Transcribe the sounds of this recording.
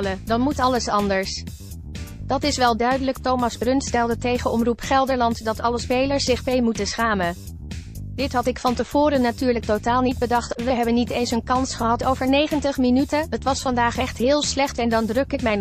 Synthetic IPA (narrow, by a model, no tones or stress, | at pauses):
lədɑnmutɑləsɑndəɹs | d̥ɑtɪsʋɛlˠdœɥdələktowmɑzbrɵnstɛlˠdətejχəɔmrupχɛlˠdəɹlɑntdɑtɑləspejləɹsːɪχpejmutəsχaːmən | d̥ɪtɦɑtɪkfɑntəv̥ʊːɾənatyːɹlək̚totaːlˠnid̚bədɑχtʋəɦɛbənːitejnsənkɑnsχəɦɑtowvəɹnejχəntəχminytəɦətʋɑsfɑndaːχɛχtɦɪːlˠslɛχtɛndɑndrɵkɪk̚mɛjn